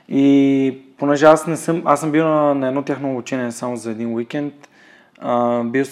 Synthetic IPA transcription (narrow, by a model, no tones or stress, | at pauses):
iponɛʒɛasnɛsɤmasəmbiwnnɐɛd̪not̪ʲjaxnoobut͡ʃɛniɛsamozɐɛd̪inwikɛnt̪ | əbiw